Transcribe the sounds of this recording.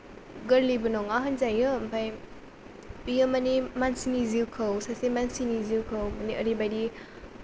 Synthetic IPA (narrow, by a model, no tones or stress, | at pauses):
ɡəɾlibɯnɔŋaɦənzajjɯmpʰaj | ijəmanimansiniziwkʰəwsasemansiniziwkʰəwmaniʔəɾibajdi